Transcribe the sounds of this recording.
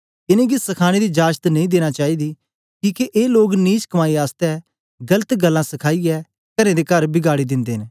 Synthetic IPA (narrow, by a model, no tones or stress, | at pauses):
ɪnẽɡisɐkʰaːɽ̃ed̪id͡ʒaːd͡ʒt̪nɐ̃ĩd̪eːɽ̃at͡ʃaːid̪i | kiːkeʔeːloːɡniːt͡ʃkɐmaːiaːst̪ɛ | ɡɐlət̪ɡɐlːãsɐkʰaːiɛ | kɐnẽd̪ekɐɾbɪɡaːɽid̪ɪ̃nd̪eːɦn